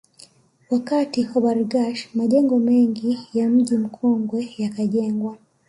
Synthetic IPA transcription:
wakatiwwaβaɾuɡaʃmaʄɛŋɡɔmeŋɡijam̩ɟim̩kʰɔŋɡwejakaɟeːŋɡwa

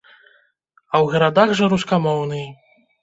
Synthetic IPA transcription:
ɐwɣɐɾad̪aɣʐɐɾuskamɔwnɨj

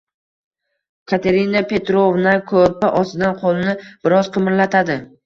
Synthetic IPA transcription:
kʰat̪ʰe̞ɾinapʰe̞t̪ɾovnakʰoɾpaʔɒst̪ɪd̪anqʰolˠnɪb̥ɪɾɒz̥qʰɨmɪɾlat̪ʰad̪ɪ

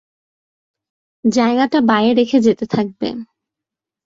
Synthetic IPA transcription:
d͡ʑaeɡaʈabaeeɾekʰed͡ʑet̪et̪ʰak̚bḛ

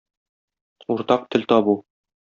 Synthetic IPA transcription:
uɾt̪ɑq̚t̪ʰɘ̆lt̪ɒbu

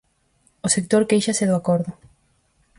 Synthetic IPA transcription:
osek̚t̪oɾkejʃaseðoakoɾðʊ

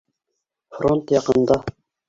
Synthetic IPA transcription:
fɾont̪jɑqənd̪ɑ

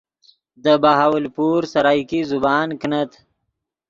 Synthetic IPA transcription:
d̪əbaɦawəlpuːɾsaɾaːjkizubɑːnknət̪ʰ

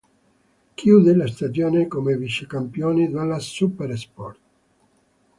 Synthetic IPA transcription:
kjuːd̪elast̪ad͡ʒjoːnekomeviʃekampjoːnid̪alasupeɾspɔrt̪

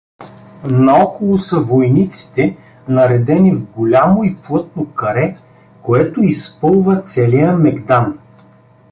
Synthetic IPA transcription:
nɐɔkolˠʊsɐvojnit̪si̥t̪ɛ | nɐɾɛd̪ɛnivɡolʲamoiplˠɤt̪nokɐɾɛ | koɛt̪oispɤlˠvɐt̪sɛlijəmɛɡd̪an

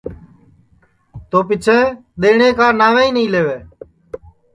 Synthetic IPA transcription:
t̪oːpɪt͡ʃʰẽːɗ̪eːɳeːkaːnaːʋeːĩːnəĩːleːʋeː

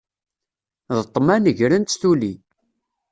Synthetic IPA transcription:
ðət̪ˤːmænəʝɾənt̪θuli

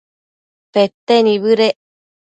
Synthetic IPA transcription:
pet̪ːeniβɯɾe

